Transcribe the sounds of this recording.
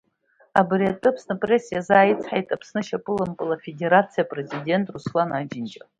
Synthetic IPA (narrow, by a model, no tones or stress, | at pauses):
a̰briatʼɨpʰsnɨpʼresːijazaːjit͡sʰħajtʼapʰsnɨʃapʼɨlampʼɨlafe̞dʲe̞ɾat͡sʰijapʼre̞zidʲe̞ntʼruslanad͡ʒɪnt͡ʃʼa